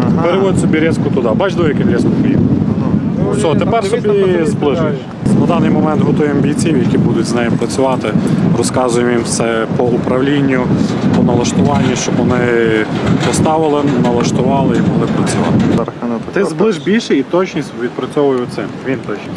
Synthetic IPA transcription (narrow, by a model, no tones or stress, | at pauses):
peɾeʋɔd̪ʲsɔbʲiɾʲɛskʊt̪ʊd̪ɑbɑt͡ʃd̪ɔjɐkɪxɾʲɛskʊt̪ʲi | sʲɔt̪epɛrsɔbʲizblˠɪʒ | nɐd̪ɑnɪjmɔmɛnt̪ɦɔt̪ɔjɛɐmbʲijt͡sʲiwjɐkʲibud̪ʊtʲznɛjɪpɾɐt͡sʲʊʋɑt̪ɪrɔskɑzʊjɛmimwsɛpɔʊpɾɐʋlʲinʲːʊpɔnɐlˠɐʃt̪ʊʋɑnʲːiʃt͡ʃɔbʋɔnɪ | pɔst̪ɑʋɪlˠɪnɐlˠɐʃt̪ʊʋɑlˠɪibulˠɪpɾɐt͡sʲʊʋɑ̰lˠɪt̪ɪzblˠɪʒbʲilʲʃɛit̪ɔt͡ʃnʲisʲʋʲid̪̚pɾɐt͡sʲɔʋʊjɛʊt̪sɪmʋʲint̪ɔt͡ʃnʲi